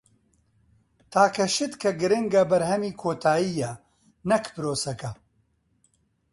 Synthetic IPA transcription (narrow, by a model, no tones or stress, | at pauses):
t̪ʰaːkʰɐʃɨt̪kʰɐɡɨɾɨŋɡɐbɐɾhɐmiːkʰoːt̪ʰaːiːjɐ | nɐkpɨɾoːsɐkɐ